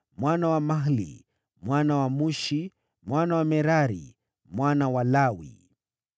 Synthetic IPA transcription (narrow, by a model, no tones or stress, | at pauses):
mwanawamaɦlḭ | mwanawamuʃi | mwanawamɛɾaɾḭ | mwanawalawḭ